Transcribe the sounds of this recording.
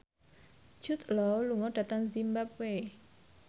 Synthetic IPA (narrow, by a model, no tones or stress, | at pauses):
ʒ̥ʊt̪lɔluŋɔɖ̥a̤t̪aŋzimbap̚we